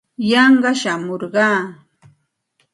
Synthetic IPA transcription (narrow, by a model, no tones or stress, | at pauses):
jɑɴɢɑʃamoɾɢɑː